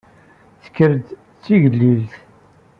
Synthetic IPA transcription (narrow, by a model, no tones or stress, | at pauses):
θə̥kːəɾd̪ | t͡sːiʝəlːiðθ